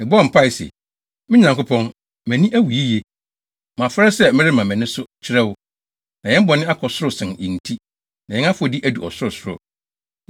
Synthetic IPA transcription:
mɪ̃˨bɔ˦m̩˨pʰa˦ɪ˨sḛ˨ | mɪ̃˦ɲã˨ŋkʊ˦pʰɔ̃˦n | mɛ̃˨nĩ˦ʔæ˦wu˨i˦je˦ | mã˨fɾɛ˦sɛ˦mɪ̃˦ɾɪ˦mã˨mɛ̃˨nɪ̃˦sʊ˦t͡ɕʰɪ˦ɾɛ˦wʊ˦ | nã˨jɛ̃˦m̩˦bɔ˨nɪ̃˦a˦kʰɔ˨sʊ˦ɾʊ˨sɪ̃˨nĩ˨n̩˨tʰi˦ | nã˨ɲɛ̃˦ã˦fʊ˦ɔ˨di˦ʔæ˦du˨ɔ˨sʊ˦ʊ˨sʊ˦ɾɔ̰˨

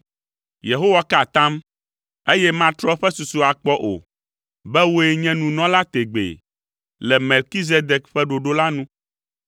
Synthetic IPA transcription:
je˨ɦo˦wa˦ka˨t̪ã˦m | e˦jɛ˦mã˦t̪ɾɔ˦ɸɛ˦su˨su˨a˨k͡pɔ˦ʔo̰˨ | bɛ˦wo˦e˦ɲɛ̃˦nũ˨nɔ̃˦la˦t̪e˨ɡ͡bḛ˨ | lɛ˨me˨lki˦z̬e˦d̪ɛ˨kɸɛ˦ɖo˨ɖo˦la˦nũ˦

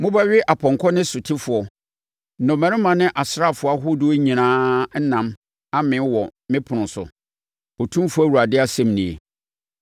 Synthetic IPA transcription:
mʊ̃˦ba˦ɥɪ˦ʔa˨pʰɔ̃˨ŋ˨kʰɔ˦nɪ̃˦sʊ˨tʰɪ˦fʊ˨ɔ˨ | nɔ̃˨mæ̃˨ɾɪ̃˦mã˨nɪ̃˦ʔa˨sɾa˦˨fʊ˨˦a˦ɦʊ˦dɪ˦o˦ɲĩ˨nãː˦n̩˦nã˨m | a˦mɪ̃˨˦wɔ˨mɪ̃˦pʰʊ˨nʊ̃˨sʊ̰˨ | ɔ˨tʰũ˦m˦fʊ˦æ˦wu˨a˨dɪ˦a˦sɛ̃˦mnĩ˨ḛ˨

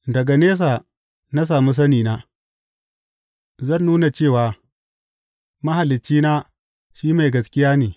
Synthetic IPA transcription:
dɐ˨ɡa˨neː˦s̬aː˨ | na˦s̬aː˨mu˦s̬ɐ˦niː˨naː˦ | zɐ˦˨nːuː˦na˨t͡ʃeː˦˨waː˨ | mɐ˦ha˨lːɪ˨t͡ʃːiː˦naː˦ | ʃiː˦ma˨jɡɐ˨skʲɪ˦jaː˦neː˨

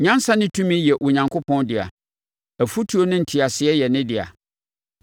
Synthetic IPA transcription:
ɲã˦n˦sã˦nɪ̃˦tʰũ˦mĩ˦jɛ˨ʔʊ˨ɲã˨ŋkʰo˦pʰɔ̃˦ndɪ˨a̰˨ | æ˨fu˦tʰi˦o˦nɪ̃˦n̩˨tʰi˨a˨sɪ˨ɛ˦jɛ˨nɪ̃˦dɪ˨a̰˨

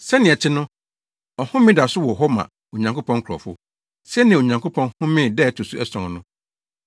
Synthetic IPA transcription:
sɛ˦nɪ̃˨ɛ˨t͡ɕʰɪ˦nʊ̃˦ | ɔ˨hʊ̃˦mɪ̃˦da˨sʊ˦wɔ˨ɦɔ˦mã̰˨ | o˨ɲã˨ŋkʰo˦pʰɔ̃˦ŋ˦kʰɔ̰˨fʊ̰˦ | sɛ˦nɪ̃˨o˨ɲã˨ŋkʰo˦pʰɔ̃˦nhʊ̃˦mɪ̃˦˨dɛ˦˨tʰʊ˨su˦ɛ˦sɔ̃˨˦nʊ̃˦

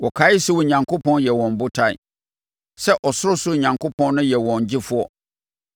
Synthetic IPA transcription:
wɔ˨kʰaː˨˦ɪ˦sʊ˦wɔ˨ɲã˨ŋkʰʊ˦pʰɔ̃˦njɛ˨wɔ̃˨m˨bʊ˦tʰa˦˨ɪ̰˦˨ | sɛ˦ʔɔ˨sʊ˦ʊ˦sʊ˦˨ɲã˨ŋkʰʊ˦pʰɔ̃˦n˦nʊ̃˦jɛ˨wɔ̃˨ɲ˨d͡ʑɪ˦fʊ˦ɔ˦

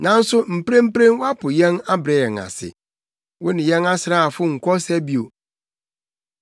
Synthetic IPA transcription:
nã˨n̩˦sʊ˦m̩˨pɾẽ˦m̩˦pɾẽ˦n˦wa˦pʰʊ˨jɛ̃˦na˦bɾɛ˨˦ɛ˨ŋa̰˨sɪ̰˨ | wʊ˦nɪ̃˨jɛ̃˦na˦sɾa˦a˨fʊ˦ŋ̩˨kʷʰɔ˦sæ˦bi˦o˨

